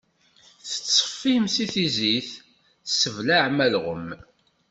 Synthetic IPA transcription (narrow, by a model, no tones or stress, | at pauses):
θə̥t͡sːə̥fːimsiθiziθ | səvlaʕmælʁə̰m